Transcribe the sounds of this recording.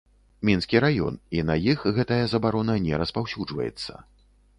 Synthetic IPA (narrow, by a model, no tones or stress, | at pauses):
mʲinskʲiɾajɔ̰ninɐjixɣɛt̪ɐjɐzɐbaɾɔnɐnʲɛɾɐspawsʲud͡ʐvɐ̰jɛ̰t̪sːɐ̰